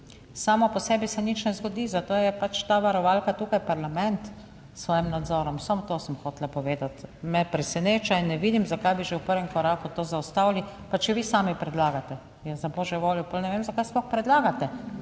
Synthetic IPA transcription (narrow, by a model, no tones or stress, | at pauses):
saːmɔpɔsɛːbisɛnit͡ʃnɛzɡɔd̪iːzat̪oːjɛpat͡ʃt̪aːʋaɾɔʋaːlkat̪uːkajpaɾlamɛnt̪ | sʋɔːjimnad̪zɔːɾɔmsamɔt̪osəmxoːt̪lapɔʋeːd̪at̪mɛpɾɛsɛneːt͡ʃainːɛʋiːd̪imzakajbiʒɛwpəɾʋɛmkɔɾaːkut̪oːzaɔst̪awlipat͡ʃɛʋiːsaːmipɾɛd̪laːɡat̪ɛ | jazaboːʒɛʋoːljɔpɔlnɛʋemzakajsplɔxpɾɛd̪laːɡat̪ɛ